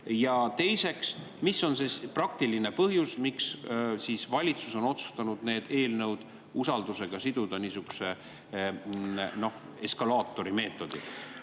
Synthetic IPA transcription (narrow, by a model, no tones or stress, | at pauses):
jɑt̪e̞jse̞ks | misːo̞nseprɑk̚t̪iline̞pɤɦjusmikssiːsvɑlʲit̪suso̞no̞t̪su̥st̪ɑnud̪̥ne̞ːd̪̥e̞ːlnɤwd̪̥ | usɑld̪use̞ɡ̥ɑsid̪̥ud̪̥ɑniːsyku̥se̞ | no̞h | e̞skɑlɑːt̪ːˑo̞ɾime̞ːt̪ːˑo̞d̪̥i